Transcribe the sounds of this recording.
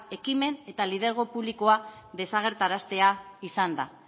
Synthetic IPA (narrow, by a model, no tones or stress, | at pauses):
e̞kime̞ne̞t̪alið̞e̞ɾɣ̞o̞puβliko̞aðe̞saɣ̞e̞ɾt̪aɾast̪e̞aisand̪a̰